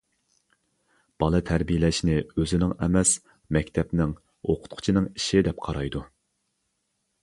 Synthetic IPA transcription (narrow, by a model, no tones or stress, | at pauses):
b̥ɑlˠɨt̪ʰæɾbijɪlɛʃnɪøzɪnɪŋɛmɛs | mɛkʲt̪ʰɛpnɪŋ | oqʰʊ̥t̪̚qʰʊ̥t͡ʃʰinɨŋiʃid̪ɛp̚qʰɑɾɑjd̪u